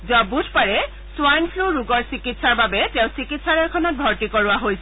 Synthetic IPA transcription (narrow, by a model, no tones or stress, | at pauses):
zɔbudʱpaɹɛ | sʊwajnpʰluɹuɡɔɹsikitsaɹbabɛtẽʊ̃sikitsaɹɔɹkʰɔnɔt̚bʱɔɹtikɔɹʊaɦojsɛ